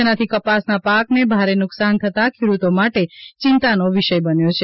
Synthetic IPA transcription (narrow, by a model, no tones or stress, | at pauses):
ənat̪ʰikəpasnapaknebʱaɾenʊksant̪ʰət̪akʰeɽut̪omaʈet͡ʃɪnt̪anoʋiʃəjbənjot͡ʃʰe